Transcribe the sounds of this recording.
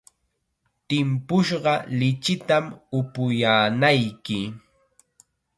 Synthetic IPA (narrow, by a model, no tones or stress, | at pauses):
t̪ɪmpʊʃɢɑlɪt͡ʃɪt̪amʊpʊjaːnajkɪ